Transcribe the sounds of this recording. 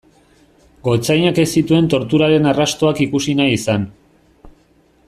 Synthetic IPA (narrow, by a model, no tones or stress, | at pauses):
ɡo̞t͡sajɲake̞sit̪ue̞nt̪o̞ɾt̪uɾaɾe̞narast̪o̞akikusinajisan